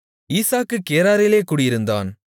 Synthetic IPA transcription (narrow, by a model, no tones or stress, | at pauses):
iːsaːkːɯkːeːɾaːɾɪleːkuːɽɪjɪɾɯnd̪a̰ːn